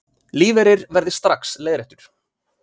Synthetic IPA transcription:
liːvɛɾɪɾvɛɾðɪst̪ɾaksleːðɾɛht̪ʏɾ̥

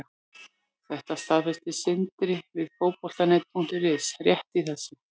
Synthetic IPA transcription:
θɛht̪ast̪aðfɛst̪ɪsɪnt̪ɾɪvɪðfoːwpɔl̥t̪aneːt̪̚pʰuŋ̥t̪ɪrɪsrjɛht̪iθɛsːa

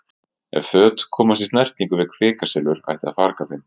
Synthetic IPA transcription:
ɛ̰vfœːt̪kʰɔːmast̪ist̪najr̥t̪niŋkʏvɪ̥kʰvɪːkasɪlʏɾ̥a̰jht̪ɪa̰ðfaɾkaθɪn

